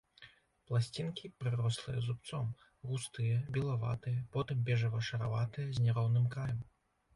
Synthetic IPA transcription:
plˠasʲt͡sʲinkʲipɾɨɾɔslˠɨ̰jɐ̰zup̚t̪sɔm | ɣust̪ɨjɐbʲilˠava̰t̪ɨjɐpɔt̪ɨmbʲɛʐɐvɐʂɐɾavat̪ɨjɐzʲnʲɛɾɔwnɨmkɾajɐm

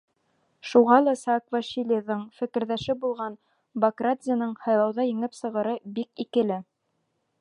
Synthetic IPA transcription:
ʃuʁɑlˠɑsɑkvaʃilʲiðɤɴfɘ̆kɘ̆ɾðæʃɘbulˠʁɑn | bɐkradzʲɪjanɤɴhɑjlˠɑwðɑjɘ̆ŋɘpsɤ̆ʁɤ̆ɾɤbikikɘ̆lɘ

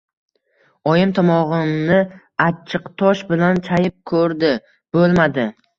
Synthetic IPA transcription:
ɒjɪmt̪ʰɒmɒʁɨnɪ | at͡ʃʰːɪqt̪ʰɒʃbɪlant͡ʃʰajɪp̚kʰɵɾd̪ɪ | b̥olˠmad̪ɪ

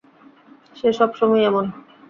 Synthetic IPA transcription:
ʃeʃɔbʃɔmɔeɛmon

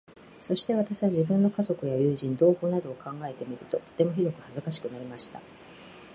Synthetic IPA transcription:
so̞ɕi̥t̪e̞βat̪aɕiβaʑibɯ̟̃nːo̞kazo̞kɯ̟jajɯ̟ːʑĩnd̪o̞ːho̞ːnad̪o̞ːkʰãŋɡae̞t̪e̞mʲiɾɯ̟t̪o̞t̪ot̪e̞mo̞çʲid̪o̞kɯ̟hazɨkaɕ̬i̥kɯ̟naɾʲimaɕi̥t̪a̰

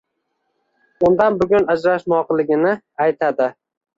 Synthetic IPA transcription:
ʊnd̪anbʊɡʲʊnad͡ʒɾaʃmɒqlˠɪɡʲɪnɪ | ajt̪ʰad̪ɪ

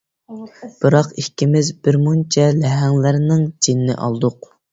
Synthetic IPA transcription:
b̥ɨɾɑqikʲːimɪzbɪɾmunt͡ʃʰɛlɛɦɛŋlɪɾnɪŋd͡ʒʰinːɪ̰ʔɑ̰lˠd̪ʊq

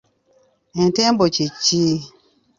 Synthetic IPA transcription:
ɛ̃tɛmbot͡ʃit͡ʃːiː

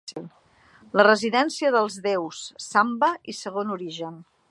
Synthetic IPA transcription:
ilˠ | lərəziðɛnsiəðəlˠzðewsːambəisəɣ̞onuɾiʒən

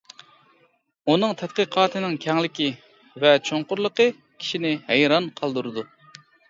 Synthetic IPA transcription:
unɨŋt̪ʰɛt̪̚qəqʰɑːt̪ʰɨnɪŋkʲʰɛŋlɪkʲi | vɛt͡ʃʰoŋqʊɾlˠəqə | kʲʰi̥ʃinɪhɛjɾɑnqʰɑlˠd̪uɾɨd̪u

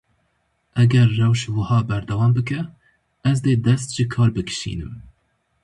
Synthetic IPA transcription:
ʔɛɡɛɾːɛwʃwɨhɑːbæɾd̪ɛwɑːmbɨkɛ | ɛzd̪eːd̪ɛst̪ʒ̥ɨkʰɑːɾbɨkʰɨ̥ʃḭːnɨ̰m

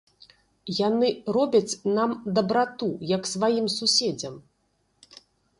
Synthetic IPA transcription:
janɨrɔbʲɐt͡sʲnamd̪ɐbɾat̪ujɐksvajimsusʲɛd͡zʲɐm

